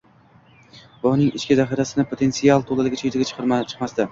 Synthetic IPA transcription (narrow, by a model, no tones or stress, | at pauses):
bɒnɪŋɪt͡ʃkʲɪzaχiɾasɪnɪpʰot̪ʰe̞nsialˠt̪ʰolˠalɪɡʲat͡ʃʰet̪ɪɡʲat͡ʃʰɨ̥qʰɨɾmat͡ʃʰɨ̥qmast̪a